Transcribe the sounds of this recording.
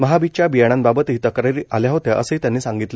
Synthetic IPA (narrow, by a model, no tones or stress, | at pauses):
məɦabit͡ɕjabijaɽ̃ãnbabət̪ɦiːt̪əkɾaɾiʔaljaɦot̪jaʔəsəit̪jãnːiːsãŋɡit̪le